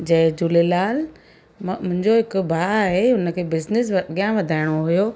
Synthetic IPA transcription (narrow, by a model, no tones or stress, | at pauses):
d͡ʑɐ̃ɦd͡ʑulelaːl | mʊ̃ɦɪ̃ɲd͡ʑoɦɪkʊbʱaːaːɦeʊnə̆kʰeːbɪznɪs̬ɠjãʋɐd̪ʱaːɪɽ̃oɦʊjoː